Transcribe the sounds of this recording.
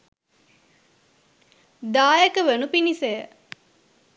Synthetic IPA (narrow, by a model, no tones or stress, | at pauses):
d̪aːjekəʋenupinisejə